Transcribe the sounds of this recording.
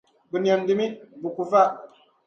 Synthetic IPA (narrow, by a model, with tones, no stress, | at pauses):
bə˨njɔ˨ndi˦mi˦bu˨ku˨fa˦˨ʔ